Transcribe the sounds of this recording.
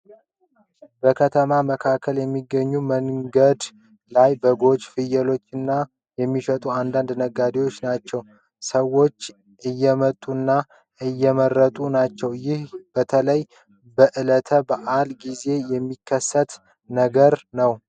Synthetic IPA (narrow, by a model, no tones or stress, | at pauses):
bəkʰət̪ʰəmaməkʰakʰːəljɛmːiɡːəɲːuməŋɡəd̪ | lajbəɡo̞d͡ʒfɨjəlo̞t͡ʃːɨnːa | jɛmːifət̪ʼuand̪and̪nəɡːad̪ewo̞t͡ʃːnat͡ʃːɛw | səwo̞t͡ʃː | ʔɨjːɛmət̪ʼːunːa | ʔɨjːɛmərːət̪ʼunat͡ʃːɛwjɪhb̥ət̪ʰələj | bəʔɨlət̪ʰəbaʔalɡize̞jɛmːikʰːəsːət̪ | nəɡəɾnəw